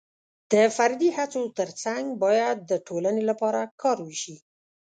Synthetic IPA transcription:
d̪̥əfaɾd̪ihat͡sot̪əɾt͡saŋɡbɑjad̪̚ːəʈʰolanelapɑɾakʰɑɾwəʃi

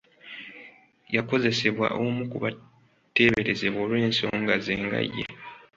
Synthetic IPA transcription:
jako̞ze̞se̞βwa̰ʔomukuβa | tːe̞ːβe̞ɾeze̞βoːlwe̞ːnso̞̰ːŋɡazeːŋɡa̰jːḛ

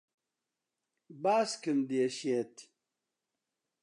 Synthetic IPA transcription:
baːskɨnd̪ieɕet̪

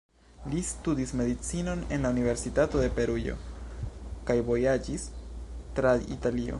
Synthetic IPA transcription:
listudisme̞d̪it͡sino̞ne̞nlaunive̞ɾsitato̞de̞pe̞ɾujo̞̰ | kajvo̞jad͡ʒistɾaḭtalio̞̰

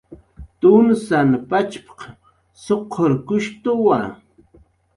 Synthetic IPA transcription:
t̪ʊnsanpat͡ʃpḁq | soqʰːoɾkʊʃt̪ʊwa

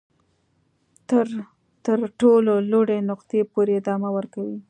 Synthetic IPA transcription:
ɾ | t̪əɾʈololoɽenʊqt̪epoɾeɪd̪ɑmawəɾkawi

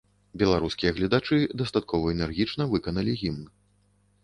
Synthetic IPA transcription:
bʲɛlˠaɾuskʲijɐɣlʲɐd̪at͡ʂɨd̪ɐst̪at̪̚kʰɔvɐɛnɛrɣʲit͡ʂnɐvɨkɐnɐlʲiɣʲimn

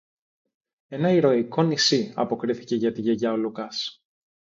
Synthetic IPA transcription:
e̞nɐiɾo̞iko̞nisiɐ̰po̞kɾiθi̥ce̞ʝɐt̪iʝeʝɐolukɐs

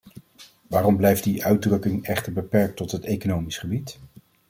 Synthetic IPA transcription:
ʋaːrɔmblɛjfdiʔœɥdrɵkɪŋɛχtəɹbəpɛɹk̚tɔtɦətejkonowmisχəbit

